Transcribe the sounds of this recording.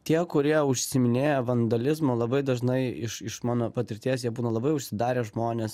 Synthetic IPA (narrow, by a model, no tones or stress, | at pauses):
t̪ʲiɛkʊɾʲiɛʊʃʲsʲɪmʲɪnʲeːjɛʋɐnd̪ɐlʲɪzmoːlˠɐbɐɪd̪ɐʒnɐɪɪʃɪʃmɑːnoːpɐt̪ʲɪɾʲt̪ʲiːsjiɛbuːnɐlˠɐbɐɪʊʃʲsʲɪd̪ɑːɾʲeːʒmoːnʲeːs